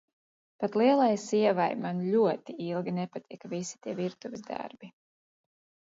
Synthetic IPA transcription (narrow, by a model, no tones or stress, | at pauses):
pat̪lˠiɛlˠajsiɛvajmanlʲuɔt̪iilˠɡʲinɛpat̪iɛkvisi̥t̪iɛviɾt̪uvizd̪a̰ɾbi